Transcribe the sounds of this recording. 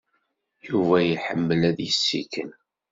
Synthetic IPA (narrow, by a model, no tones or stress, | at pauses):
juvæjiħəmːəlæðjəsːḭkən